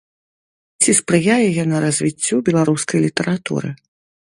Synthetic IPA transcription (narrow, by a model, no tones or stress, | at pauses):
t͡sʲispɾɨjajɛjanɐɾɐzʲvʲit͡sʲːubʲɛlˠaɾuskɐjlʲit̪ɛɾat̪ṵɾɨ̰